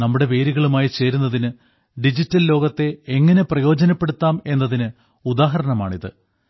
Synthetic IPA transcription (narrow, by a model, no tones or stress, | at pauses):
nɐmːuɽe̞ʋe̞ːɾiɣɐɭumaːjit͡ɕeːɾunːɐðinɨ | ɖid͡ʑitːɐllo̞ːɡɐt̪ːe̞eŋːɐne̞prɐjo̞ːd͡ʑɐnɐpːe̞ɽut̪ːaːme̞nːɐðinɨ | ud̪aːɦɐɾɐɳɐma̰ːɳiðɨ̰